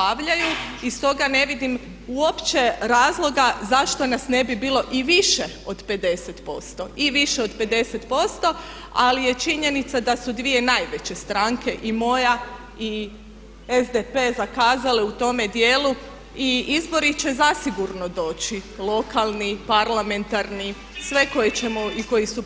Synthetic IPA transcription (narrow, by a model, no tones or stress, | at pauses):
aʋʎajuist̪o̞ɡane̞ʋid̪im | uo̞pt͡ɕe̞ɾaːzlˠo̞ɡazaʃt̪o̞nasne̞bibiːlˠo̞ʔiʋiʃe | o̞d̪pe̞d̪e̞set̪po̞st̪o̞iʋiʃeo̞d̪pe̞d̪e̞set̪po̞st̪o̞ | a̰lije̞t͡ʃiɲe̞nit̪sad̪asud̪ʋie̞najʋe̞t͡ɕe̞st̪ɾaŋkʰe̞ʔimo̞ja | i | ezd̪epe̞zakaːzaleut̪o̞me̞d̪jeːlu | iizbo̞ɾit͡ɕe̞zasiɡuɾno̞d̪o̞ːt͡ɕilˠo̞kalˠnipaɾlˠame̞nt̪aɾni | sʋe̞ko̞jet͡ɕe̞moiko̞jisu